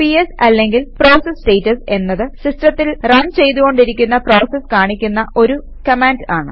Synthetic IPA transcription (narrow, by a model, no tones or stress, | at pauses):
piesɐlːeŋɡilpro̞ːsesʈejtːɐse̞nːɐðɨsistrɐt̪ːilrɐnt͡ɕe̞jt̪uɣo̞ɳɖiɾikʲːunːɐpro̞ːseskaːɳikʲːunːɐʔo̞ɾu | kɐmaːndaːɳɨ